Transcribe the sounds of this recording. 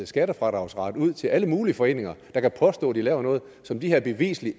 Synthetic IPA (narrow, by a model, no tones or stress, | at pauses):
sɡ̥æɾəfʁɑ̈d̥ʁɑ̈ʊsʁɑ̈d̥uð̞̰ˠt͡sʰe̝lʔæləmuːliəfɒ̽e̝̰ːne̝ŋɐd̥ɑ̈kʰæpʰɒ̽sd̥ɔ̰̽ːd̥ilɛːʊɐnɔ̽ːð̩ˠsɒ̽md̥ihæɐb̥e̝ʋḭːsli